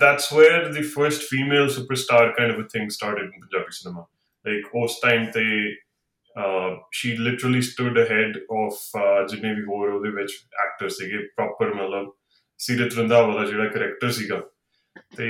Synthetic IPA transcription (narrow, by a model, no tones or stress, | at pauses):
d̪æʈswɛːɾɾd̪iːfəɾsʈfiːmeːlsuːpəɾsʈaːɾkãɪ̃ɳɖəʋvət̪ʰɪ̃ŋɡsʈaːɾʈɪɖɪ̃npənd͡ʒaːbiːsənəmãː | laɪkʰoːsʈãɪmt̪eː | ʃiːlɪʈəɾəliːsʈʊɖəɦɛɖɔːfd͡ʒɪnẽːʋiːɦoːɾod̪eːʋɪt͡ʃæ̰ːk̚ʈəɾssiːɡeːpɾɔːpəɾmət̪ləb | siːɾət̪ɾə̃nd̪aːʋaːlaːd͡ʒeːɽaːkəɾɛkʈəɾsiːɡaː | t̪eː